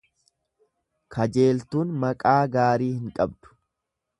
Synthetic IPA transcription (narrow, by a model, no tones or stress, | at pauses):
kʰɐd͡ʒe̞ːlt̪uːnmɐkʼaːɡaːɾiːhɪŋkʼɐbd̪̥ʊ̥